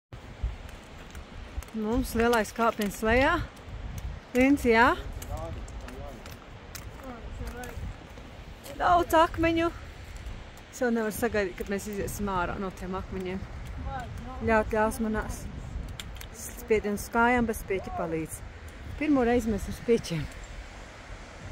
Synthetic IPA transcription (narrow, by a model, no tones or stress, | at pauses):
mumslˠiɛlˠajskaːpiɛnslɛjaː | linsjaː | d̪aw̪sakmɛɲu | sɛwnɛvaɾsaɡajd̪iːt̪̚kad̪meːsiziːsimaːɾa̰ːnuɔt̪eɛmakmɛɲeːm | ʎʲawt̪ʲlʲawsmanaːs | spʲiɛd̪iɛnsskaːjaːmbɛt̪spʲiɛcʲipalˠiːd̪z̥ | piɾmuːɾɛjzmɛsuɾspʲiɛcʲeɛm